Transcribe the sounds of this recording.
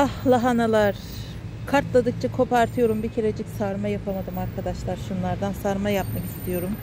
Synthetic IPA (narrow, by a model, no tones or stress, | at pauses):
ahlˠaɦanalˠaɾ̥ | kʰaɾt̪lˠad̪ɯk̚t͡ʃʰakʰo̞paɾt̪ʰɯjo̞ɾumbicʰe̞ɾed͡ʒicsaɾmajapʰamad̪ɯmaɾkʰad̪aʃlˠaɾʃunlˠaɾd̪ansaɾmajapmaki̥st̪ʰijo̞ɾum